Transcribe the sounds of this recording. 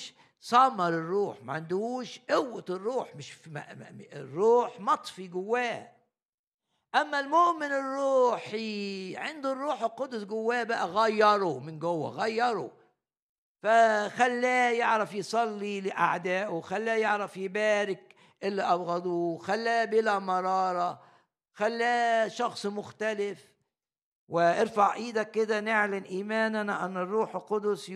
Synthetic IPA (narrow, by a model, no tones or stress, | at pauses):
ʃ | sˤɑmɑɾˤɪrˤːuːħma̰ʕand̪uːʃʔʊwːɪt̪rˤːuːħmɪʃm̰ɪrːuːħmɑt̪ˤfiɡʊwːæː | ʔæmːælmʊʔmɪnɪrˤːuːħiʕɪnd̪ʊrˤːuːħɪqʊd̪ʊsɡʊwːæːbaʔæɣajːɑɾˤumɪnɡʊwːa̰ɣajːɑɾˤṵ | faxalːæːjɪʕɾafjsˤɑlːilɪʔa̰ʕd̪æːʔʊxalːæːjɪʕɾafjɪbæːɾɪk | ʔɪlːiʔɑbɣad̪uːxælːæːbɪlæmɑɾˤɑːɾˤɑ | xalːæːʃɑxsˤmʊxt̪alɪf | wɪʔɪɾfaʕʔiːd̪ækːɪd̪ænɪʕlanʔiːmæːnanaʔanːɪrˤːuːħɪlqʊd̪ʊsˤ